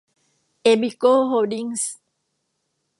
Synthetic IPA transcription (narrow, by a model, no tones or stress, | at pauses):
ebikoɦodiŋs